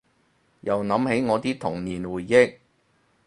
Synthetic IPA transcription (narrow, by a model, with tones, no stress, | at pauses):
jɐ˨˩wnɐ˨˥mhe˨˥jŋɔː˨˧t̪iː˥t̪ʰʊ˨˩ŋniː˨˩nwuː˨˩jːɪ˥k̚